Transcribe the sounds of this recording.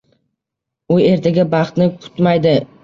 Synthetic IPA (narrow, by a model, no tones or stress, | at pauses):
ʊe̞ɾt̪ʰaɡʲabɑχt̪nɪkʰʊ̥t̪majd̪ɪ